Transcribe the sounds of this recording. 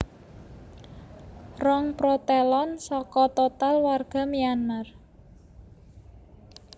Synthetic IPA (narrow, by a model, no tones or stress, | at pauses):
rɔŋpɾot̪elɔnsɔkɔt̪ot̪alwarɡ̥a̤mianmar